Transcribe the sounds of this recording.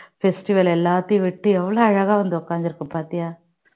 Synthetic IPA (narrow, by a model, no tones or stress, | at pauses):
fesʈiʋɐlɛlːaːt̪iːʋɪʈːɯɛʋːɐɭoːɐɻɐɣaːʋɐnd̪ɔkːaːŋɡiɾɯkːɯpaːt̪ijaː